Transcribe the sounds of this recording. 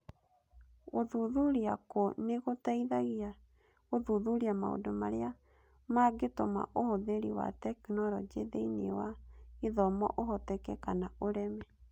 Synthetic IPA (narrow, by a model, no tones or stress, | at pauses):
ɣoðuðuɾiakoneɣotaiðaɣia | ɣoðuðuɾiama̰o̰domaɾea | maɡetoma̰ʔohoðeɾiwa̰tɛknɔɾɔd͡ʒeðeinḛwaiðɔmɔ̰ʔoɦɔtɛkɛkanaoɾɛmɛ